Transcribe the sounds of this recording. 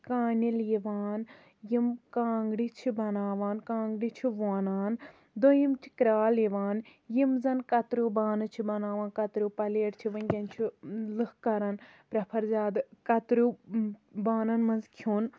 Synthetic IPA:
kaːniljiʋaːn | jimkãːŋɡɽit͡ʃʰibɐnaːʋaːnkãːŋɡɽit͡ʃʰiʋaːnaːn | d̪ojimt͡ʃʰi̥kɾaːliʋaːnjimzɐnkɐt̪ɾubaːnɨt͡ʃʰibɐnaːʋãːnkɐt̪ɾupɐleːɾt͡ʃʰiʋɐnkʲɐnt͡ʃʰilɨhkɐɾɐnpɾɐpʰɐɾzaːd̪kɐt̪ɾu | baːnɐnmɐnzkʰjoːn

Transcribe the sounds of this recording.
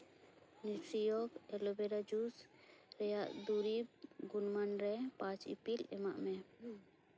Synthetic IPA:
nisɾijɔkɛlɔbɛɾad͡ʒusɾɛjaʔd̪uɾibɡunmanɾɛpãt͡ʃḭpilɛ̰maʔmɛ

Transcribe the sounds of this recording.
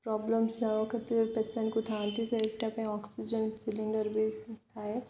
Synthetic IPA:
pɾɔːbləmsnaokɐt̪iɔɾpesə̃nkut̪ʰãːnt̪iseekʈɐpẽɔːksid͡ʒənsɪlɪɳɖəɾbest̪ʰaːe

